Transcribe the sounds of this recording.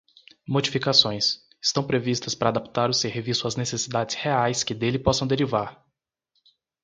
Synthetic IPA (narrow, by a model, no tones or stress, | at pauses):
mod͡ʒifikasõj̃s | ɪ̥st̪ɐ̃w̃pɾevist̪ɐspɾɐːd̪apt̪aɾʊseɾvisʊɐznesesid̪ad͡ʒɪsheajskɪd̪elɪpɔsɐ̃w̃d̪eɾivaɾ